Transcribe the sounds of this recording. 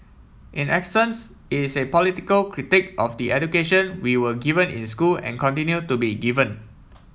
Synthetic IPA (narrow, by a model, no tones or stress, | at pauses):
ʔĩnɛksə̃ns | ɪsepɔlitikəlkʰɹitɪkʔɔfdiʔɛdukeʃə̃nwiwəɡivə̃nʔɪ̰̃nskulɛ̰̃nkɔ̃ntĩnjutubiɡivə̃n